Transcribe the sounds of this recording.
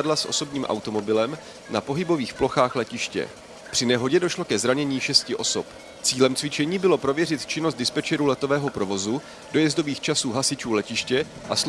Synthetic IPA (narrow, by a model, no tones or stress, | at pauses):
adlasʔo̞̰so̞bɲiːmʔa̰wt̪o̞mo̞bɪlɛm | napo̞ɦɪbo̞viːxplo̞xaːxlɛcɪʃcɛ̰ | pr̝̥ɪnɛɦo̞ɟɛdo̞ʃlo̞kɛzɾaɲɛɲiːʃɛscɪʔo̞sop | t͡siːlɛmt͡svɪt͡ʃɛɲiːbɪlo̞pɾo̞vjɛr̝ɪt̪t͡ʃɪnost̪dɪspɛt͡ʃɛɾulɛt̪o̞vɛːɦo̞pɾo̞vo̞zu | d̥o̞jɛzdo̞viːxt͡ʃasuːɦasɪt͡ʃuːlɛcɪʃcɛ | ʔas